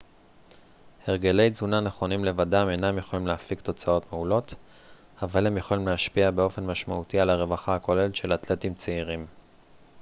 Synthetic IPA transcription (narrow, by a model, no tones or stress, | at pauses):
heʁ̞ɡe̞lejzunane̞χo̞nimle̞vadame̞jnamjeχo̞limleafikt̪o̞t͡sao̞tmeulo̞t̪ | avalhe̞mjeχolimleaʃpiabeo̞fe̞nmaʃmautialaʁe̞vaχaako̞le̞letʃe̞latle̞timt͡seiʁim